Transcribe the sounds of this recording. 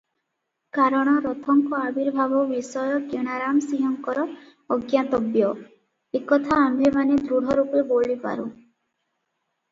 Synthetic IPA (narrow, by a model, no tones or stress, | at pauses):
kaɾɔɽ̃ɔɾɔt̪ʰɔŋkɔabiɾbʱabɔbisɔjɔkeɽ̃aɾamsiɦɔŋkɔɾɔː | ɡjat̪ɔbjɔ | ekɔt̪ʰaːmbʱemaned̪ɾuɽ̤ʱɔɾupeboɭipa̰ɾu